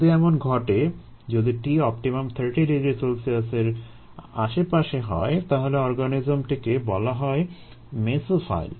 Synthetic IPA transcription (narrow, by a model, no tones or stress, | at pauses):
d̪iɛmonɡʱɔʈe | d͡ʑod̪iʈiɔp̚ʈimamt̪ʰəɾʈiɖiɡɾisolsiaseɾ | a̰ʃepaʃeɦɔ̰et̪aɦoleɔɾɡanid͡ʑomʈikebɔlaɦɔe | mesofa̰jl